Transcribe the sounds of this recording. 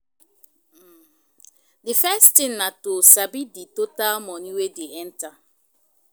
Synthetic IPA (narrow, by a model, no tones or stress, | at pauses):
difɛstĩnnatosabiditotalmɔniwedeɛnta